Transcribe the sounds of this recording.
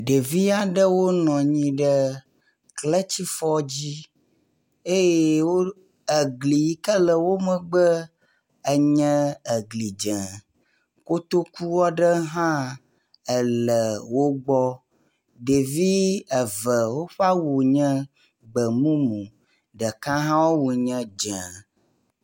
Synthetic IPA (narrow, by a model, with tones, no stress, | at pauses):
ɖe˨vi˦a˨ɖə˦wo˦nɔ̃˨ɲĩ˦ɖə˦ | klə˦t͡ɕi˦fɔ˦d͡ʑi˦ | e˦je˦˨wo˦ | ə˨ɡli˨˦kə˦lə˨wo˦mə̃˦ɡ͡bə˦ | ə˦ɲɛ̃˦ə˨ɡli˨d͡ʒɛ̃˨ | ko˦t̪o˦ku˦wɔ˦ɖə˦ɦã˦ | ə˨lə˨wo˦ɡ͡bɔ˦ | ɖe˨vi˦ə˨və˨wo˦ɸa˦wu˨ɲɛ̃˦ | ɡ͡bə˨mũ˦mũ˨ | ɖə˨kã˦ɦã˦wo˦wu˨ɲɛ̃˦d͡ʒɛ̃˨